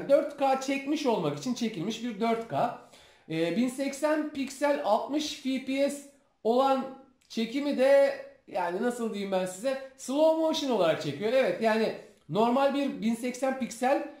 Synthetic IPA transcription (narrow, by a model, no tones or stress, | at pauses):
d̪øɾt̪kaːt͡ʃʰɛcmiʃo̞lˠmakit͡ʃʰint͡ʃʰe̞cilʲmiʃbiɾd̪øɾt̪kʰaː | ɛːbinsɛcsænpicsælʲalˠt̪mɯʃfipiɛs | o̞lˠan | t͡ʃʰe̞cimid̪ɛjaːninasɯlˠd̪ɯjɯmbænsizɛslˠo̞moʃino̞lˠaɾak̚t͡ʃʰe̞cʰijo̞evɛt̪jaːnɪ | no̞ɾmalʲbiɾbinsɛcsænpicsælʲ